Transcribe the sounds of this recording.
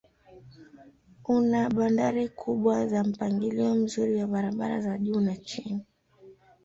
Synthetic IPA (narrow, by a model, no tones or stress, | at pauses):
unaɓandaɾikʰuɓwazam̩paŋɡiliɔm̩zuɾiwaɓaɾaɓaɾa̰zaʄuːnat͡ʃini